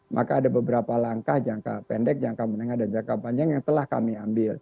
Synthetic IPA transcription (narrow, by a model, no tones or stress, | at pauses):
mʔa̰kaːdabəbəɾapalaŋkahd͡ʒaŋka̰pɛndɛk̚d͡ʒaŋkamənəŋahdand͡ʒakapand͡ʒaŋjaŋt̪əlahka̰miambɪl